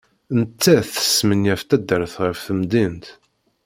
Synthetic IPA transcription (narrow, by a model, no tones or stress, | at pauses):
nət͡sːæθə̥sːmənjæft̪æd̪əɾθʁəfθəmd̪int̪